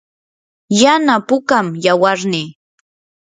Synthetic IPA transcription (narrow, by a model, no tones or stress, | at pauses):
janapʊkamjawaɾnɪ